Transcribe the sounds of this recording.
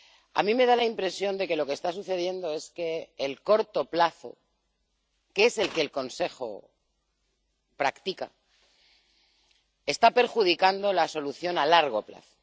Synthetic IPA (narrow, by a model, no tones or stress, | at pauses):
a̰mĩme̞ð̞alaimpɾe̞sjo̞nd̪e̞ke̞lo̞kest̪asuθe̞ð̞je̞nd̪o̞e̞ske̞ːlko̞ɾt̪o̞plaθo̞̰ | keese̞lke̞ːlko̞nse̞xo̞̰ | pɾakt̪ika̰ | e̞st̪ape̞ɾxuð̞ikand̪o̞laso̞luθjo̞nalaɾɣ̞o̞pla̰θo̥